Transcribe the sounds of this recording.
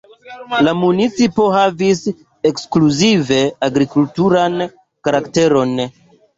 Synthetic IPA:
lamunit͡sipo̞ɦavis | ekskluzive̞aɡɾikultuɾan | kaɾakte̞ɾo̞n

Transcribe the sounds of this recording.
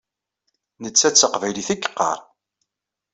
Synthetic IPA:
nət͡sːæt͡sːəqvæjliθikːə̥qːɑ̰ɾˤ

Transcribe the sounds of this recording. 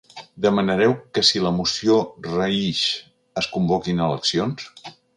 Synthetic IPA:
d̪əmənəɾɛwkəsiləmusiorəiʃ | əskumbɔkinələ̰ksions

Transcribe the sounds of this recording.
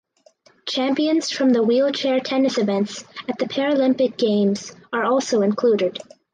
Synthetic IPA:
t͡ʃʰæ̃mpiɨ̃nz̥fɹʌ̃mðəwilˠt͡ʃʰɛɹtʰɛnɨsɨvɛ̃ntsɨt̪̚ðɨpʰɛɹɨlɪ̃mpɨk̚ɡ̥ẽɪ̃mz̥ə˞ɔlˠsoʊɨ̃nkʰl̥uɾɪd̥

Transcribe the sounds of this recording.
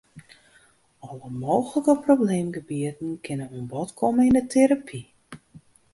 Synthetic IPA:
ɔləmoːɣələkəprowbleːmɡəbiətn̩kʰɪnənuənbɔtkʰɔməindətʰeɾapʰi

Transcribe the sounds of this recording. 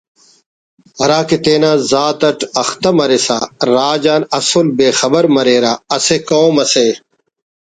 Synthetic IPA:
ɐɾaːket̪eːnaːzaːt̪ɐʈɐxt̪ɐmɐɾesa̰ɾaːd͡ʑaːnɐsolbeːxɐbɐɾmɐɾeːɾaːɐsekoːmɐse

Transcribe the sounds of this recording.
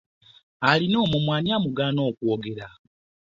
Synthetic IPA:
alino̞ːmumwaːɲamuɡaːno̞ːkwoɡe̞ɾa

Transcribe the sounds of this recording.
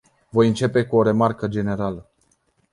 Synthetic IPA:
vo̞jɨnt͡ʃe̞pe̞kuo̞ɾe̞markəd͡ʒe̞ne̞ɾalə

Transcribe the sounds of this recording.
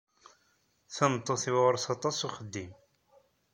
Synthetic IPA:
θənət̪ˤːoθiwʁəɾsɑt̪ˤɑsuχəd̪ːim

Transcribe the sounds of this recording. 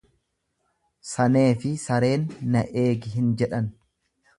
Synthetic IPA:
sɐne̞ːfɪsɐɾe̞ːnːɐʔe̞ːɡɪɦɪnd͡ʒɛᶑɐn

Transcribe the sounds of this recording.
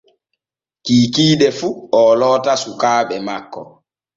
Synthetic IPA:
kiːkiːɗɛfuɔlɔːtasukaːɓɛmakːɔ̰

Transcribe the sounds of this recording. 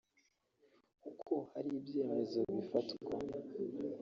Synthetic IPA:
kukʰo̞haɾiːbje̞ːme̞zo̞βifatwa̰

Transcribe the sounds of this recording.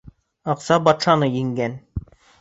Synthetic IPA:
ɑqsɑbɑt̪ʂɑnɤjiŋɡæn

